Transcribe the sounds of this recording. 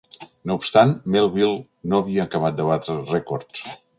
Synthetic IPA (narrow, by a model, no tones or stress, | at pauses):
noupst̪anmelˠβilˠ | noəβiəːkəβat̪̚d̪əβat̪ɾərɛkoɾs